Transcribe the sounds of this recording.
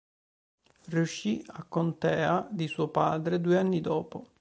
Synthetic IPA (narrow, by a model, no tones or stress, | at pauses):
riuʃːiakːont̪ɛːad̪isuopaːd̪ɾed̪uːeanːid̪ɔːpo